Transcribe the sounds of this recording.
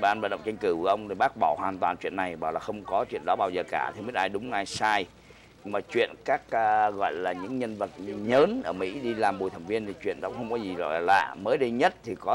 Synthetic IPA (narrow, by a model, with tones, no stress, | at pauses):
ɓaː˨˧nvaː˨˧˨ɗə̰˧˨wŋ͡mt͡ɕa˧jŋ̟kɨ˧˩kʔə˧wŋ͡mt̪ʰi˨˩ɓaː˦˥k̚ɓɔ˧˩hwaː˨˩nt̪waː˨˩nt͡ɕwḭ˧˨ənːa˨˩jɓa̰ː˨˩wlaː˨˩xə˧wŋ͡mkɔ˨˦t͡ɕwḭ˧˨ənɗɔ˨˦ɓaː˧wzəː˨˩kaː˧˩t̪ʰi˨˩mi˦˥t̚ʔaː˧jɗʊ˨˦ŋ͡mʔaː˧jsaː˧j | ɲ˧maː˨˩t͡ɕwḭ˧˨ənkaː˦˥k̚ːɣɔ̰˧˨jlaː˨˩ɲɨ̰˧˥ŋɲə˧nvə˨˩t̚ɲəː˨˦nʔəː˧˩mḭ˧˥ɗi˧laː˨˩mɓu˨˩jt̪ʰə˨˩ŋvi˧ənt̪ʰi˨˩t͡ɕwḭ˧˨ənɗɔ˧˦wŋ͡mxə˧wŋ͡mkɔ˨˦zi˨˩zɔ̰˧˨jla̰ː˨˧˨məː˨˦jɗə˧ɲə˦˥t̚t̪ʰi˨˩kɔ˨˦